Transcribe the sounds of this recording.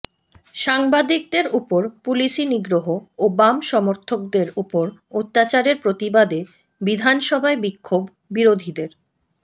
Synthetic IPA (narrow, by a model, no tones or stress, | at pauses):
ʃaŋbad̪ik̚d̪eɾupoɾpuliʃiniɡɾoɦoobamʃɔmoɾt̪ʰok̚d̪eɾupoɾot̪ːat͡ɕaɾeɾpɾot̪ibad̪e | bid̪ʱanʃɔbʱaebikʰːobːiɾod̪ʱid̪eɾ